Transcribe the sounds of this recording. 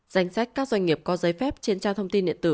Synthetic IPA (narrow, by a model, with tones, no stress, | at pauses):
z̥a˧˩jŋ̟sa˦˥jk̚kaː˦˥k̚zwa˧ŋ̟ŋi˨˩əp̚kɔ˨˦zə˨˦jfɛ˦˥p̚t͡ɕi˧˦ənt͡ɕaː˧wt̪ʰə˧wŋ͡mt̪i˧nɗḭ˧˨ənt̪ɨ˧˩